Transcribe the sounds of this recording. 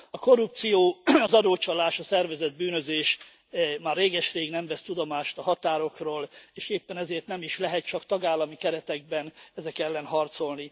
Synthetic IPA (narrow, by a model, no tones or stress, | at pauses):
ɒko̞rup̚t̪sijoːɒzɒd̪oːt͡ʃɒlaːʃɒsɛrvɛzɛd̪̚byːnøzeːʃ | maːreːɡɛʃreːɡnɛɱvɛst̪ud̪o̞maːʃt̪ɒɦɒt̪aːɾo̞kroːleːʃeːpːɛnɛzeːrt̪nɛmiʃlɛɦɛt̪̚t͡ʃɒkt̪ɒɡaːlːɒmikɛɾɛt̪ɛɡ̚bɛnɛzɛkɛlːɛnɦɒrt̪so̞lni